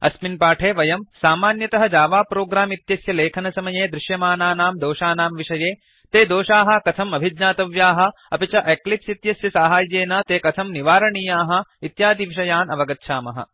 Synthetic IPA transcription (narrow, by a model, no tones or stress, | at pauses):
ɐ̰sminpaːʈʰeːʋɐjɐmsaːmaːnjɐt̪ɐɦɐd͡ʒaːʋaːpɾoːɡɾaːmit̪jɐsjɐleːkʰɐnɐsɐmɐjeːd̪ɾɪʃjɐmaːnaːnaːmd̪oːʃaːnaːmʋiʂɐjeː | t̪eːd̪oːʃaːɦɐ̆kɐt̪ʰɐmɐbʱid̪ɲaːt̪ɐʋjaːɦɐ̆ | ɐpit͡ʃɐʔeklipsit̪jɐsjɐsaːɦaːjːeːnɐt̪eːkɐt̪ʰɐmniʋaːɾɐɳiːjaːɦɐ̆it̪jaːd̪iʋiʃɐjaːnɐʋɐɡɐt̪ːʃʰaːmɐɦɐ̰